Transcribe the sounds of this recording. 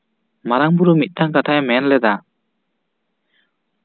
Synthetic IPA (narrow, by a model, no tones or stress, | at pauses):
maɾaŋbuɾumit̪̚ˀdaŋkatʰajmɛnlɛd̪a